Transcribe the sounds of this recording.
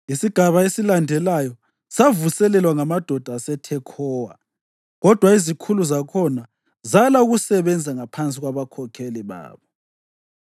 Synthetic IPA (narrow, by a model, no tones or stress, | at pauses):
isiɡ̥ʱaβaesilandʱɛlajɔ | savusɛlɛlwaŋamad̥ʱɔd̥ʱasɛtʰɛkʰɔːwa̰ | ɣɔd̥ʱwaizikʰuluzakʰɔna | zalauɣusɛβɛnd͡zʱaŋapʰant͡sʼiɣwaβakʰɔkʰeliβa̰ːβɔ